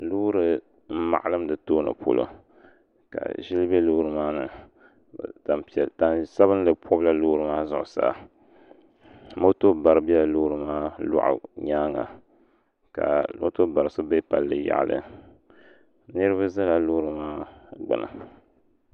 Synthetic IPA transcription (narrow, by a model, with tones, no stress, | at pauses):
lu˦ɾɨ˨ | m̩˦ma̰˨ʔa˨lɨ˦m˦dɨ˨toː˦nɨ̰˨pʰo̰˦˨lo̰˨ | ka̰˨ʒi˦lbɛ˦lu˦hɾɨ˨maː˦nɨ˨ | ta˨mpi˨ɛ˨ta˨nsa˦βɨ˦n˦lɨ˨pʰɔ˦bla˦lu˦ɾɨ˨maː˦zʊ˨ʔʊ˨sa̰ː˨ | mo˦to˦ba˨ɾɨ˨bi˦ɛ˦˨lu˦ɾɨ˨maː˦lʊ̰˦ʔa̰˨ɲa˦ŋa̰˨ | ka̰˨o˦to˦ba˨ɾɨ˨sɨ˦be˦pa˨lːɨ˨ja̰˨ʔlɨ̰˦ | nɨ˦ɾɨ˦βa˦za˦la˨luː˦ɾɨ˨maː˦ɡ͡bɨ̰˨nɨ̰˨